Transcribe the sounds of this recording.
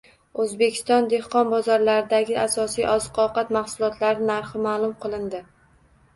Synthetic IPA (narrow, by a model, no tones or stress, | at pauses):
ɵzbekʲʰɪ̥st̪ɒnd̪e̞hqɒnbɒzɒɾlaɾɪd̪aɡʲɪʔasɒsijʔɒzqʰɒqɑt̪maχsʊlˠɒt̪laɾɪnaɾχɪmaːlˠʊmqʰɨlˠɪnd̪ɪ